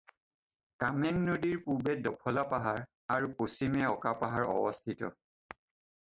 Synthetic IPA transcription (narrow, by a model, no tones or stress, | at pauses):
kamɛŋnodiɹpubɛdɔkʰɔlapaɦaɹ | aɹuposimɛɔkapaɦaɹɔ̰bɔstʰitɔ̰